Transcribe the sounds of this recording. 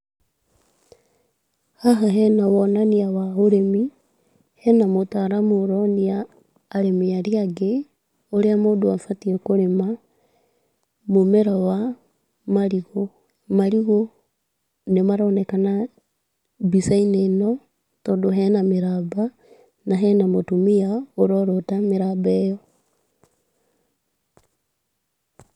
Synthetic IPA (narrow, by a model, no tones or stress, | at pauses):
haɦaɦɛnawɔnaniawaoɾemi | hɛnamotaɾamoɾɔniaː | ɾemeaɾiaɡe | oɾeamodoafatiɛkoɾema | momɛɾawa | maɾiɣo | maɾiɣo | nemaɾoːnekana | bisaineno | todoɦɛnameɾaːba | naɦɛnamotumiaoɾoɾotameɾabejo